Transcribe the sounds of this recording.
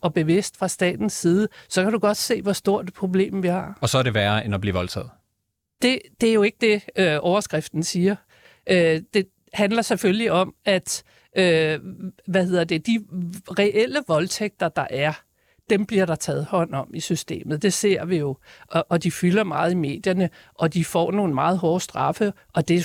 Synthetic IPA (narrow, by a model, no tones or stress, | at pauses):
ɒ̽b̥e̝ʋe̝sd̥fʁɑ̈sd̥ɛ̰ːd̥n̩sːiːð̞ˠəsɒ̽kʰæɾ̥uɡ̥ɒ̽d̥se̝̰ːʋɒ̽sd̥o̝ɐ̰d̥pʰʁo̝b̥le̝̰ːmʋihɑ̰̈ɒ̽sɒ̽æɾeʋæːɐenɒb̥liːʋɒ̽lt͡sʰɛ̰ːð̩ˠ | d̥e̝d̥e̝æɐjo̝e̝ɡ̥əd̥e̝øɒʊɐsɡ̥ʁɛfd̥n̩siːɐ | ʔød̥e̝ | hænlɐsefølliɒ̽mæd̥ | ʔø | ʋæhe̝ð̰ˠɐd̥e̝d̥iʁɛʔel̰əʋɒ̽lt͡sʰeɡ̥̚d̥ɐd̥ɑ̈ʔæɐ | d̥emb̥liɐɾ̥ɑ̈t͡sʰɛ̰ːð̞̩ˠhɒ̽n̰ɒ̽misysd̥e̝̰ːmð̩ˠd̥e̝se̝̰ɐ̰ʋijo̝ʔʔɒd̥ifylɐmɑ̈ːð̩ˠime̝̰ːd̥jɐnə | ʔɒ̽d̥ifɒ̰ːno̝ːn̩mɑ̈ːð̞̩ˠɦɒːsd̥ʁɑ̈fəʔɒ̽d̥e̝